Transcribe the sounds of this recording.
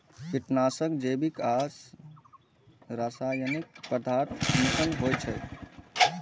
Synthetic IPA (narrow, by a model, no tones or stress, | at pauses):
kiʈnasəkd͡ʒebikas | ɾasajənik̚pəd̪ʱaɾt̪nikənɦojt͡ʃʰəj